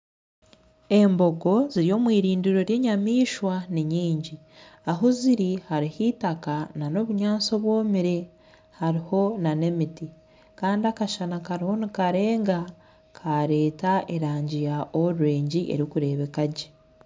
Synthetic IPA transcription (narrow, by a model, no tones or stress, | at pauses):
e̞mbo̞ɡo̞ziɾijo̞ːmwiːɾiːndiɾo̞ɾje̞ːɲamiːʃwaniɲiːɲɟi | aɦuziɾihaɾihitakanano̞βuɲaːso̞βwo̞ːmiɾe̞ | haɾiho̞nane̞miti | kaːndiakaʃanakaɾiho̞nikaɾe̞ːŋɡa | kʰaɾe̞ːtaʔeɾaːɲɟijaʔoɾuɾe̞ːɲɟiʔe̞̰ɾikuɾe̞ːβe̞kaɟe